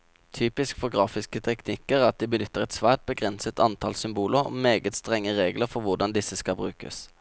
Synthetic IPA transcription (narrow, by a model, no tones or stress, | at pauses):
t̪ʰyːpɪskfɔʁɡʁɑːfɪskət̪ʰɛknɪkːəʁɑt̪̚d̪iːbənʏt̪ːəʁɛt̪sʋæːʁʈ̪̚bəɡʁɛnsət̪ɑnt̪ʰɑlsʏmbuːləʁɔ̰meːɡət̪st̪ʁɛŋːəʁeːɡləʁfɔʁʋʊd̪ɑnd̪ɪsəskɑlbʁʉːkə̰s